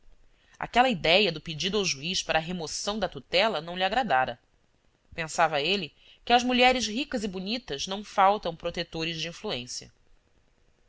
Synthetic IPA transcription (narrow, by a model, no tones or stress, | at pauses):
a̰kɛlɐid̪ɛjɐd̪ʊped͡ʒid̪ʊawʒuiʃpaɾʔɐːɦemosɐ̃w̃d̪ɐt̪ut̪ɛlɐnɐ̃w̃lʲiaɡɾad̪aɾɐ | pẽsavɐelɪ | kɪɐʒmuʎɛɾɪʃɦikɐzɪbunit̪ɐznɐ̃w̃fawt̪ɐ̃w̃pɾot̪et̪oɾɪzd͡ʒiĩfluẽsjɐ̰